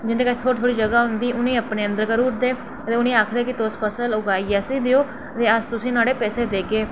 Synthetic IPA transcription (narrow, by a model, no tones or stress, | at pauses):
d͡ʒɪnd̪eːkət͡ʃʰt̪ʰoːɾt̪ʰoːɽiːd͡ʒəɡaːɦʊnd̪iːʔʊnẽːəpnẽːə̃nd̪əɾkəɾuːɾd̪eː | ət̪eːʊnẽːaːkʰd̪eːkɪt̪ospʰəsəlʊɡaːiasiːd̪eoː | t̪eːəst̪ʊsĩːnaːɽeːpɛːseːd̪eːɡeː